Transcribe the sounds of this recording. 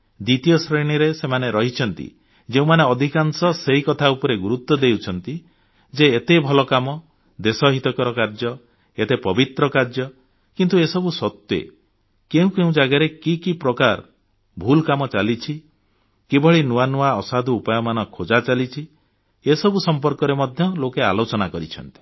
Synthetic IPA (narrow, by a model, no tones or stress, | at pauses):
d̪it̪ijɔsɾeɽ̃iɾesemaneɾɔɦit͡ʃʰɔnt̪ḭ | d͡ʒeũmaneɔd̪ʱikansɔseɦikɔt̪ʰaupɔɾeɡuɾut̪ːɔd̪ewt͡ʃʰɔnt̪i | d͡ʒeːt̪ebʱɔlɔkamɔ | d̪esɔɦit̪ɔkɔɾɔkaɾd͡ʒɔ | et̪epɔbit̪ɾɔkaɾd͡ʒjɔ | kint̪uesɔbusɔt̪jḛ | keũkeũd͡ʒaɡaɾekikipɾɔkaɾ | bʱulkamɔt͡ʃalit͡ʃʰi | kebɔɭinuwanuaɔsad̪ʱuːpajɔmanɔkʰod͡ʒat͡ʃalit͡ʃʰi | esɔbusɔmp̬ɔɾkɔɾemɔd̪ʱjɔlokea̰lot͡ʃɔnakɔɾit͡ʃʰɔ̰nt̪i̥